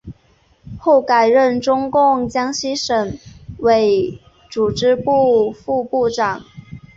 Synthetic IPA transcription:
xo˥˩ʊka˨˩ɪɻə˥˩nʈ͡ʂʊ˥ŋkʊ˥˩ŋt͡ɕjɑ˥ŋɕi˥ʂə˨˩ŋwe˧˥ɪ | ʈ͡ʂu˨˩ʈ͡ʂɻ̩˥pu˥˩˧fu˥˧pu˥˩ʈ͡ʂɑ˨˩˦ŋ

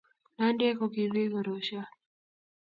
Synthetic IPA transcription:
na˦ndi˦ɛ˦kɔ˨ki˨ði˦ɡɔ˨ɾɔʃa˦

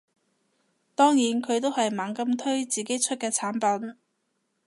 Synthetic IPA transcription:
t̪ɔː˥ŋjiː˨˥nkʰɵ˨˧ɥt̪o˥whɐ˨jmaː˨˥ŋkɐ˧mt̪ʰɵ˥ɥt͡siː˨ke˨˥jt͡ʃʰɵ˥t̚kɛː˧t͡sʰaː˨˥npɐ˨˥n

